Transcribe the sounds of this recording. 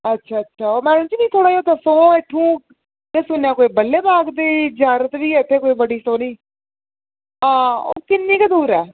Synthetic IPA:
ətːʃʰaːətːʃʰaːoːmɛ̃ːñːt͡ʃiːnĩːt̪ʰoːɽaːioːd̪əsõːeʈʰːũː | k̪eːsʊnjãːkoːiːbəlːeːbaːɡd̪eːd͡ʒaːɾət̪ʋiːɪt̪ʰːeːkoːiːbəɽiːsõːniː | ãːo̰ːkɪnːiːkəd̪uːɾɛː

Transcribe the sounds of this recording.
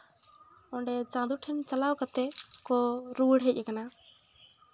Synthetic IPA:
ɔɖɛt͡ʃãd̪uʈʰɛnt͡ʃalawkat̪ɛkɔɾuɽɦɛc̚ˀakana

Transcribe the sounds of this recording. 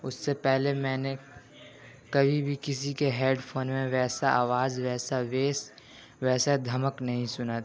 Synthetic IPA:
ʊsːepɛɦlemɛ̃ːne | kɐbʱibʱikɪsikeɦeːɖpʰoːnmẽʋɛːsaaːʋaːzʋɛːsaʋeːs | ʋɛːsad̪ʱɐməknɐɦĩsʊnat̪ʰ

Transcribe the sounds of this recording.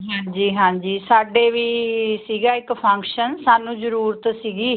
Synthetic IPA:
ɦãːɲd͡ʒiːɦãːɲd͡ʒiːsaːɖeːʋiːsiːɡaːɪkpʰə̃ŋkʃənsaːnũːzəɾuːɾət̪siːɡiː

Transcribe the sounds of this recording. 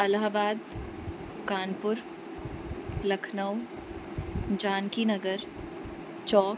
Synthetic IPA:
ɐlɦabaːd̪ | kaːnpʊɾ | lɐkʰnəw | d͡ʒaːnkinɐɡəɾ | t͡ʃɔːk

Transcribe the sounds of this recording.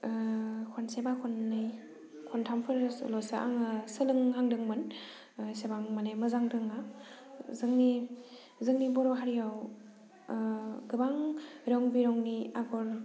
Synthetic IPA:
kʰɔnsebakʰɔnːɯj | kʰɔntʰampʰɯɾlɔsaʔa̰ŋsɯlɯŋhaŋdɯŋmɯn | sebaŋmanajmɯzaŋdɯŋa | zɯŋni | zɯŋnibɔɾɔɦaɾijaw | ɡɯbaŋɾɔŋbiɾɔŋniaɡɔɾ

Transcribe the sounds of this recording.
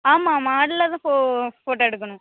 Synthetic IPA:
aːmaːmaːɽɪlɐðãːfofoːʈoɛɽɯkːɐnʊ̃

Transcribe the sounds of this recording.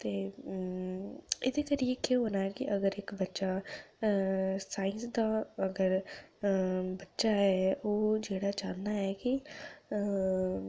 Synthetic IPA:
t̪eː | ɪd̪eːkəɾiekeɦoːnaːɦɛːkɪʔəɡəɾɪkbətːʃa | saːɪ̃nsd̪aːəɡəɾ | bətːʃaɦɛːoːd͡ʒeːɽaːd͡ʒaːnːaɦɛːki

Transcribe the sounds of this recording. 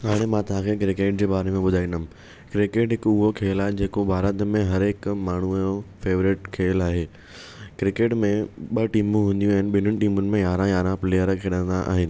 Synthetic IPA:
ɦaːɽ̃emãt̪ɐʋ̤ãkʰek̬ɾɪkeːʈ̚d͡ʑeːɓaːɾemẽɓʊd̪ʱaːĩnd̪əm | kɾɪkeʈɦɪkʊɦokʰeːlaːɦed͡ʑeːkobʱaːɾət̪mẽɦɐɾɪkmaːɳ̤ujofeːʋɾɪʈkʰeːlaːɦeː | kɾɪkeːʈmẽɓɐʈiːmũɦũːnd̪jũɛːnɪ̆ɓɪnəñɪ̆ʈiːmʊnɪ̆mẽjaːɾãjaːɾãpleːjəɾkʰeːɽə̃nd̪aʔa̰ːɦɪnɪ̆

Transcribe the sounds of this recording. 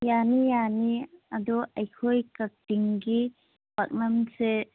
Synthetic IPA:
janijaniɐd̪uʔɐjkʰojkɐk̚tiŋɡi | pak̚nɐmse

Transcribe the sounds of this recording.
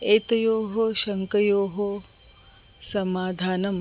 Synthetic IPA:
eːt̪ɐjoːɦoʃɐŋkɐjoːɦo | sɐmaːd̪ʱaːnɐm

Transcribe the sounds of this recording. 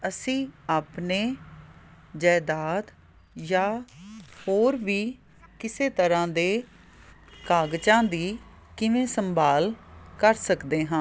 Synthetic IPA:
əsĩːaːpneː | d͡ʒɛːd̪aːd̪ | jaː | hoːɾʋiː | kɪseːt̪əɾãːd̪eː | kaːɡt͡ʃãːd̪iː | kɪʋẽːsəmbaːlkəɾsəkd̪eːɦãː

